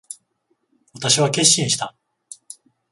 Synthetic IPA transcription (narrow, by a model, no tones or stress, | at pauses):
βat̪aɕiβake̞ɕːĩɰ̃ɕi̥t̪a